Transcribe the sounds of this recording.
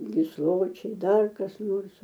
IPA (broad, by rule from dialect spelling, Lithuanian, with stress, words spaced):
ɡʲɪsˈlˠoːt͡ʃʲɛɪ ˈdɐr kɐs ˈnoːrs